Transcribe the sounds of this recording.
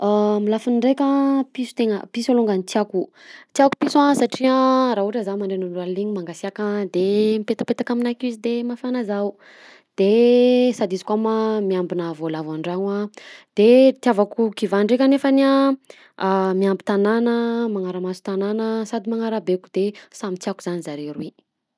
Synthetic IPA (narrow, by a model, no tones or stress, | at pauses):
amilafunɳɖ͡ʐekʲapisu̥t̪eŋəpisaluŋɡanit͡s̪iaku | t̪iaku̥pisãsaʈ͡ʂiaɾaɦuʈ͡ʂazamaɳɖ͡ʐenaɳɖ͡ʐalliɲimaŋɡasiakad̪emipet̪ḁpet̪akaminakizid̪emafanazau | d̪̥esad̪izi̥kwamamiambinavolavaɳɖ͡ʐaŋad̪̥et̪iavakukivaɳɖ͡ʐekʲanefənia | miambi̥t̪ananəmaŋaɾəmasu̥t̪ananəsad̪imaŋaɾabeku̥d̪̥esamit͡s̪iakuzanizaɾeɾuwi